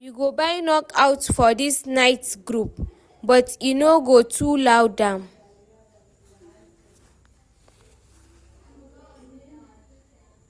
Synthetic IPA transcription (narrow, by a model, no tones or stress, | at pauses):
juɡobajnɔkawtfɔdisnajtɡɾup̚ | bɔtʰjunoɡotʰulawdãn